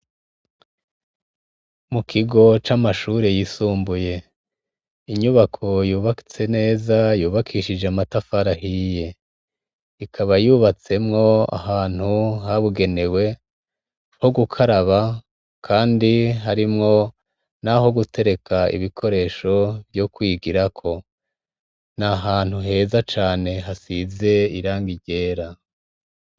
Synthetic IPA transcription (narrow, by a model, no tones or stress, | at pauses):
mukiɡo̞t͡ʃamaʃuːɾejisuːmbuje̞ | iɲuβakʰo̞juːβaki̥t͡se̞ne̞ːzajuːβakʰiːʃid͡ʒeamatafaɾahije̞ | ikʰaβajuβat͡se̞mŋo̞a̰haːn̥huhaβuɡe̞ne̞we̞ | ho̞ɡukʰaɾaβa | kʰaːndiɦaɾimŋo̞ | naɦo̞ɡutʰe̞ɾe̞kʰaḭβikʰo̞ɾe̞ːʃo̞vjokwiːɡiɾakʰo̞ | naɦaːn̥huɦe̞zat͡ʃaːne̞ɦasize̞iɾaːŋɡiɟe̞ːɾa